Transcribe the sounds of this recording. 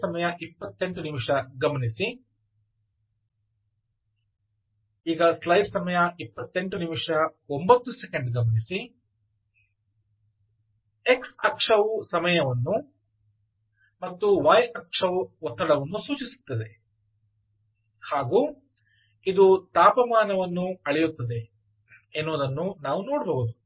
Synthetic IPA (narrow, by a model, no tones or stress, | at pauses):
ɐmɐjɐʔipːɐt̪ːe̞ɳʈunimʂɐɡɐmɐnisi | iːɡɐslɐjɾsɐmɐjɐʔipːɐt̪ːe̞ɳʈunimʂɐo̞mbɐt̪ːusekeɳɖɡɐmɐnisi | eksɐkʂɐʋusɐmɐjɐʋɐnːu | mɐt̪ːuʋaːjɐkʂɐʋuɔt̪ːɐɽɐʋɐnːusuːt͡ʃisu̥t̪ːɐd̪e | haːɡuː | id̪ut̪aːpɐmaːnɐʋɐnːuɐɭɛjut̪ːɐd̪e̞ | enːoːd̪ɐnːunaːʋunoːɽbɐʋud̪u